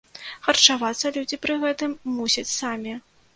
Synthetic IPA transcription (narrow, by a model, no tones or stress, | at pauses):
xɐrt͡ʂavat̪sːɐlʲud͡zʲipɾɨɣɛt̪ɨmːusʲɐt͡sʲsamʲi